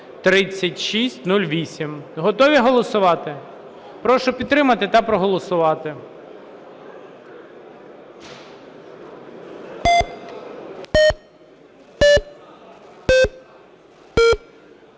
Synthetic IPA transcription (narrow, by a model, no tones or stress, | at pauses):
t̪ɾɪt͡sʲːɐtʲʃisʲtʲnulʲʋʲisʲimɦɔt̪ɔʋʲiɦɔlˠɔsʊʋɑt̪ɪ | pɾɔʃɔpʲid̪t̪ɾɪmɐt̪ɪt̪ɑpɾɔɦɔlˠɔsʊʋɑt̪ɪ